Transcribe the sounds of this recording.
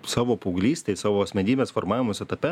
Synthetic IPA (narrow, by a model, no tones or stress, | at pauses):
sɑːʋoːpɐʊɡlʲiːsʲt̪ʲeɪsɑːʋoːɐsʲmʲɛnʲiːbʲeːsformɑːʋʲɪmoːsʲɛt̪ɐpʲɛ